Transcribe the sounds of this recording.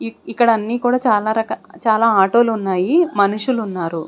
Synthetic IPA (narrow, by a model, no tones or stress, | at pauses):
ikːɐɽɐnːiːkuːɽaːt͡ʃaːlaːɾɐkɐt͡ʃaːlaːaːʈoːlunːaːjimɐnuʂulunːaːɾu